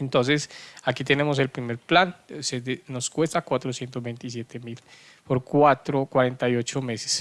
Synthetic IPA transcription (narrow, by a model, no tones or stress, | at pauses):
ent̪o̞ns̬e̞sakit̪e̞ne̞mo̞s̬e̞lpɾimeɾplanseenoskwe̞st̪akwat̪ɾosje̞nt̪ozbejnt̪is̬je̞t̪emil | poɾkwat̪ɾokwaɾent̪ajo̞t͡ʃome̞se̥s